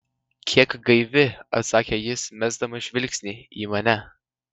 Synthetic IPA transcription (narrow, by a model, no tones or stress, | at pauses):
kʲʰiɛkɡɐɪvʲɪɐ̰saːkʲɛjɪsmʲæzd̪ɐmɐʃvʲɪlʲkʲsʲnʲiḭmɐnʲɛ